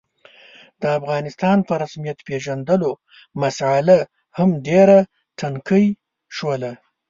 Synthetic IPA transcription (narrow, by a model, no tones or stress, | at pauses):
d̪̥əafɣɑnɪst̪ɑnpəɾasmijat̪peʒand̪əlo | masala | hamɖeɾa | ʈʰaŋkəj | ʃwəla